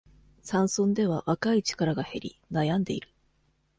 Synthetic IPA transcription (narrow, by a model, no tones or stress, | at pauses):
sãɰ̃sõ̞nd̪e̞β̞aβakait͡ɕi̥kaɾaɡahe̞̰ɾʲḭnajãnd̪e̞iɾɯ̟̥